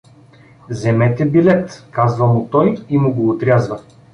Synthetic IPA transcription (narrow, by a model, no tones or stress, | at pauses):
zɛmɛt̪ɛbilɛt̪kazvɐmʊt̪ɔjimʊɡoːt̪ɾʲazvɐ